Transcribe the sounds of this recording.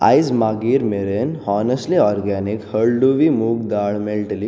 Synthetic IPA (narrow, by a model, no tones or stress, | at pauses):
a̰jzmaɡiːɾmeɾenɔnəsʈliɔɾɡænikhəɭɖuʋimuːɡd̪aɭmelʈli